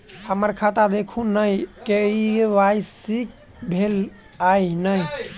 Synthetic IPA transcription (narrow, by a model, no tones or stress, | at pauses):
həməɾkʰat̪ad̪ekʰunəjkeiʋajsik̚ | bʱel | ajnəj